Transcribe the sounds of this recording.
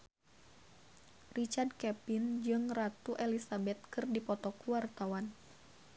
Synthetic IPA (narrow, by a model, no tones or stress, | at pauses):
rit͡ʃard̚kɛpind͡ʒɨŋrat̪uʔelisabɛt̪̚kɨrdipɔt̪ɔkuwart̪awan